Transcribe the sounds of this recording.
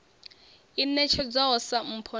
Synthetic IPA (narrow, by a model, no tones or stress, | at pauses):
inɛt͡ʃʰɛd͡zaɦɔsam̩pʰɔ